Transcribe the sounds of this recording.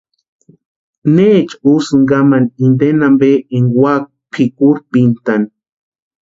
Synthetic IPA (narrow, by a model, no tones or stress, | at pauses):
neːt͡ʃusɨŋɡamanind̪enambeʔeŋwak̚pʰikuɾpint̪an